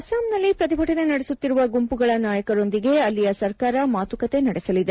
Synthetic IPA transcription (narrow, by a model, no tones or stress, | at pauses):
ɐsaːmnɐlːipɾɐt̪̬ibʱɐʈɐnenɐɽesut̪ːiɾuʋɐɡumpuɡɐɭɐnaːjɐkɐɾo̞nd̪iɡe̞ɐlːijɐsɐɾkaːɾɐmaːt̪ukɐt̪e̞nɐɽɛsɐlid̪e